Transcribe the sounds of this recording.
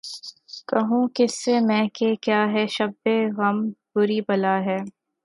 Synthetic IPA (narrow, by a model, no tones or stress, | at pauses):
kɐɦũːkɪsːemɛ̃ːkekjaːɦɛːʃɐbːeɣɐmbʊɾibɐlaːɦɛː